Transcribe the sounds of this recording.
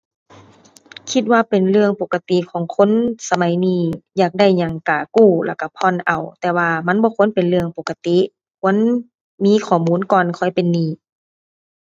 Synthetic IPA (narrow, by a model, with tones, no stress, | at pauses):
kʰi˧t̪̚waː˧pe˨˩nlɯ˧əŋpo˨˧˩kːa˧t̪i˧˨kʰɔː˨˩˦ŋkʰo˧˥˨nsa˧ma˨˦jniː˧˩jaː˨˩k̚da˧˩jɲa˧˩ŋkaː˨˩kuː˧˩la˧˩wka˧˩pʰɔ˧˥˨nʔa˨˩wt̪ɛː˧˩waː˧ma˧˥nbɔː˧˦kʰo˧˥˨npe˨nlɯ˧əŋpo˨˧kːa˧t̪i˧˨ | kʰu˧˥ə˨n | miː˧˥˨kʰɔː˩muː˧˥˨nkɔː˨nkʰɔ˧˩jpe˨nːiː˧˩˨